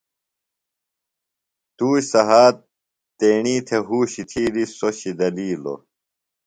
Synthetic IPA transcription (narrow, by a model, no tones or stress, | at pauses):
t̪uːɕsɐɦaːt̪ː | eːɳiːt̪ʰeɦuːɕit̪ʰiːɾisoɕid̪ɐliːlo̰